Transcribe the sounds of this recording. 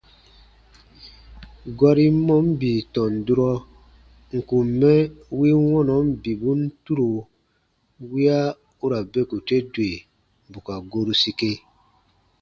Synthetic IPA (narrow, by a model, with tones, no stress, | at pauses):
ɡa˦ɾi˦mɔ̃˦m˦bi˨tɔ̃˨n˨du˦ɾɔ˦ | ŋ̩˨kũ˨mː˨ɛ˦wi˦wɔ̃˦nɔ˨˦m˦bi˨bũ˦n̩˦tu˦ɾo˨ | wi˦a˦ | u˦ɾa˨be˦ku˨te˦dwe˨ | bu˨ka˨ɡo˦ɾu˦si˧ke˦